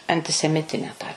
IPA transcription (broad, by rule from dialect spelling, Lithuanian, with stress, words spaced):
ɐnʲtʲɪsʲɛˈmʲɪtʲɪnʲɛ tɑː